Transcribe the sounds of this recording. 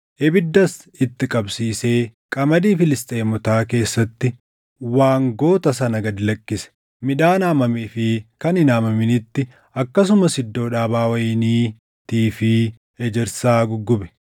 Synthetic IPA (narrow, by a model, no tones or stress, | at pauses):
ʔɛbɪd̪ːɐs | ɪt̪ːɪkʼɐbsiːse̞ːkʼɐmɐd̪iːfɪlɪst̪ʼe̞ːmɔt̪aːke̞ːsːɐt̪ːɪ | waːŋɡo̞ːt̪ɐs̬ɐnɐɡɐd̪ɪlɐkːɪsɛ̥ | mɪᶑaːnaːmɐmiːfɪkɐnɪnaːmɐmɪnɪt̪ːɪ | ɐkːɐs̬ʊmɐsɪd̪ːo̞ːᶑaːbaːwɐjɪniː | t̪iːfɪ | ɛd͡ʒɛɾsaːɡʊɡːʊbɛ̥